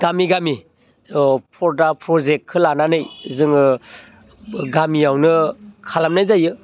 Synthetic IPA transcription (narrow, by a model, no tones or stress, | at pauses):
ɡ̥amiɡami | pʰɔɾdapʰɾɔzek̚kʰɯlananɯjzɯŋɯ | ɡamiawnɯkʰalamnajzajɯ